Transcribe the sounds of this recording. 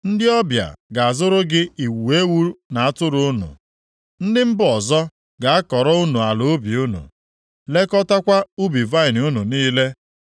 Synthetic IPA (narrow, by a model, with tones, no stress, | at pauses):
n̩˦dɪ˦ɔ˦bja̰˨ɡa˨a˨zʊ˦ɾʊ˦ɡɪ˦i˨wu˨e˦wu˦ɾna˨a˦tʊ˦ɾʊ˦ʊ˦nṵ˨ | n̩˦dɪ˦m̩˦bʊ˦ɔ˨zɔ˦ | ɡa˨a˦kɔ˨ɾɔ˦u˦nu˨a˨lo˨˦bi˨u˦nṵ˨ | le˦kɔ˦ta˦kʷa˦u˦bi˨va˦ɪ˨nu˦nu˨niː˦le˦